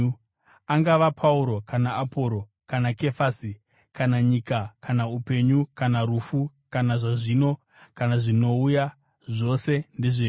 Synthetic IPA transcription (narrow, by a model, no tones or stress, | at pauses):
aŋɡaʋapʰauɾo̞kanaapo̞ɾo̞ | kanake̞fasi | kanaɲikakʰanaupe̞ɲukanaɾuːfu | kanaʐaʐino̞ | kanaʐino̞uja | ʐo̞se̞nde̞ʐe